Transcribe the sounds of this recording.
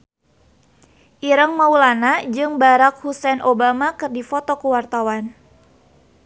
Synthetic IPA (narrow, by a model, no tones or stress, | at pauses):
ʔiɾəŋmaulanad͡ʒɨŋbaɾak̚husɛnʔobamakɨrdifɔt̪ɔkuwart̪awan